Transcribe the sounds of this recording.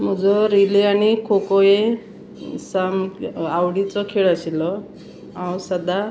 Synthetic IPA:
m̤ɔd͡zɔɾileanikʰokɔe | samawɽit͡sɔkʰeɭasilɔ | ãwsad̪a

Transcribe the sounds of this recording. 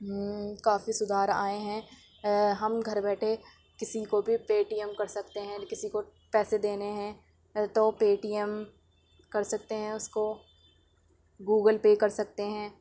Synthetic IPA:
kaːfisʊd̪ʱaːɾaːeɦɛ̃ | ɦɐmɡʱɐɾbɛːʈʰe | kɪsikobʱipeːʈiəmkɐɾsɐkt̪eɦɛ̃kɪsiko | pɛːsed̪eːneɦɛ̃ | t̪opeːʈiəm | kɐɾsɐk̚t̪eɦɛ̃ʊsko | ɡuːɡəlpeːkɐɾsɐk̚t̪eɦɛ̃ː

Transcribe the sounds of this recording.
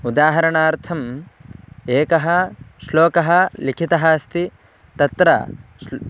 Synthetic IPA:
ud̪aːɦɐɾɐɳaːɾt̪ʰɐm | eːkɐɦɐsloːkɐɦɐlikʰit̪ɐɦɐst̪i | t̪ɐt̪ɾɐ̰

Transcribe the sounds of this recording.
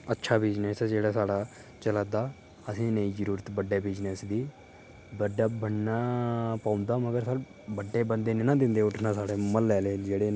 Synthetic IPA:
ətːʃʰaːbɪd͡ʒneːsd͡ʒeːɽaːsaːɽaː | t͡ʃəlaːd̪aː | əsĩːneĩːd͡ʒəɾuːɾət̪bəɖːeːbɪd͡ʒnesd̪iː | bəɖaːbəɽnaːpaːʊnd̪aːməɡəɾsa | bəɖːeːbənd̪eːnɪnãːd̪ɪ̃nd̪eːʊʈʰnãːsaːɽeːməlːɛːleːd͡ʒeːɽeː

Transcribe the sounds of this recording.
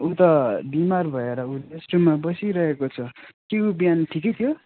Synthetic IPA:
ut̪ʌbimarbʱʌeɾʌuesʈumabʌsiɾʌɦekot͡sʰʌkeubijanʈʰikʌjt̪ʰjo

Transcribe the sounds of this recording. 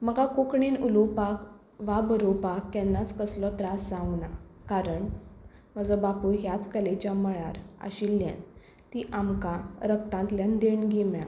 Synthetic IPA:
məɡakokɳinulupak | ʋabəɾopakːɛ̃nːat͡skəslɔt̪ɾasd͡zãŋɡnakaɾəɳm̤əd͡zɔbapuɦjat͡skəlet͡ɕjaməɭaɾə̰ɕilːjã̰n | t̪iʔamkãɾək̚t̪ãnt̪ljand̪eɳɡimjã̰

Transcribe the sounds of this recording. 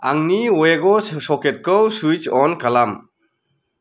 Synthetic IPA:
aŋniweɡɔsɔkʰet̚kɯwsujt͡ʃɔnkalam

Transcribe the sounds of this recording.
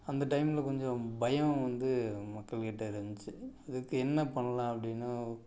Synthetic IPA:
ɐnd̪ɐʈɐɪmɪlɐkɔɲd͡ʒɔ̃bɐjɐ̃ʋɐnd̪ɯmɐkːɐɭkɪʈːɐɪɾɐɲd͡ʒt͡ʃːɯɐðɯkːɯɛnːɐpɐɳːɐlãːɐpːɐɽɪnːa

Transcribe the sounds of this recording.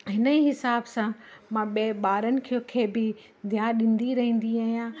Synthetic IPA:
ɦɪnəiɦɪsaːbsãmãɓeɓaːɾənɪ̆kʰiokʰeːbɪ | d̪ʱjãːɗɪ̃nd̪iɾɐɦĩːn̆d̪iaːɦijã

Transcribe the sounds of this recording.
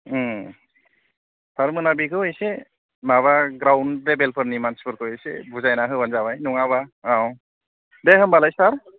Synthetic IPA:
saɾmɯnabikʰɯejse | maβaɡɾawndlebelpʰɯɾnimanspʰɯɾkʰɯejsḛbuzajnaɦɯbanzaβajnuŋaβaaw | dehɯmbalajsaɾ

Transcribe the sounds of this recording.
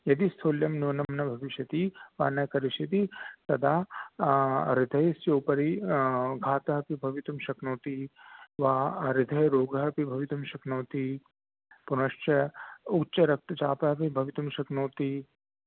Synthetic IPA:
jɐd̪ist̪ʰoːljɐmnjoːnɐmnɐbʱɐʋiʃjɐt̪iʋa̰ːnɐkɐɾiʃjɐt̪it̪ɐd̪ʱaː | ɾɪd̪ʱɐjsjoːpɐɾiɡʱaːt̪ɐɦɐpibʱɐʋit̪umʃɐknoːt̪iʋaːɾɪd̪ʱɐjɾoːɡʱɐɦɐpibʱɐʋit̪umʃɐknoːt̪i | punɐʂt͡ʃɐutːʃɐɾɐk̚t̪ɐt͡ʃaːpɐɦɐpibʱɐʋit̪umʃɐknoːt̪i

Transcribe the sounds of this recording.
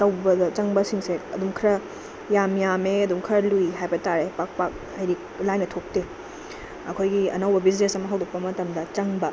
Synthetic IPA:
tɐwbɐdɐt͡ʃɐŋbɐsiŋseɐduŋkʰɾɐ | jamjameɐduŋkʰɐɾɐluiɦajbɐtaɾepak̚pak̚ | ɐjɾiklajnɐtʰok̚te | ɐkʰojɡiɐ̰nɐwbɐbid͡ʒnesɐmːɐɦɐwdɐk̚pɐmɐtɐmdɐt͡ʃɐŋbɐ

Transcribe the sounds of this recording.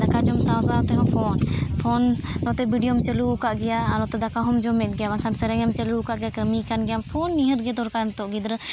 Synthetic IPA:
d̪ɐkad͡ʒomsãːsat̪eɦõfʰoːnfʰonot̪ebiɖijomt͡ʃəlukaʔɡɪjaalot̪ed̪ɐkaɦʊmd͡ʒomet̪̚ɡɪjaʋankʰansɐɾəŋəmt͡ʃəlukaʔɡɪjakəmikanɡɪjamfʰoːnːiɦət̪̚ɡet̪ʊɾkamt̪oʔɡid̪ɾ

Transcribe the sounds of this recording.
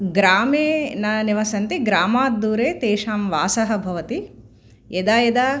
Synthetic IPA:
ɡɾaːmeːnɐniʋɐsɐnt̪iɡɾaːmaːd̪ːuːɾeːt̪eːʃaːmʋaːsɐɦɐ̆bʱɐʋɐt̪i | ed̪aːjed̪aː

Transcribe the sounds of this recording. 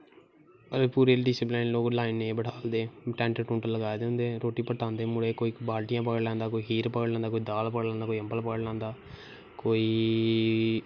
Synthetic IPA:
əɾeːpuːɾeːlɖɪsɪpleːnloːklaːinːẽːbəɽʰaːld̪eːʈɛ̃ːɳʈəʈũːɳʈələɡaːed̪ẽːnd̪ẽːɾoːʈiːpəʈãːnd̪eːmʊɽeːkoːiːbaːlʈɪjãːp̬əɡəɽlɛ̃ːnd̪aːkoːiːɦiːɾpəɡəɽlɛ̃ːnd̪akoːiːd̪aːlpəɡəɽlɛ̃ːnd̪aːkoːiə̃mpəlpəɡəɽlɛ̃ːnd̪aː | koːiː

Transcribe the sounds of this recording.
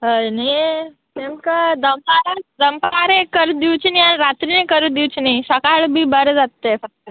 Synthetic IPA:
ɦəjni | t̪emkad̪əmpaɾad̪əmpaɾẽkəɾd̪iwt͡ɕinianɾat̪ɾinẽkəɾud̪iwt͡ɕiniɕəkaɭbʱiːbəɾd͡zat̪ːefək̚t̪ə

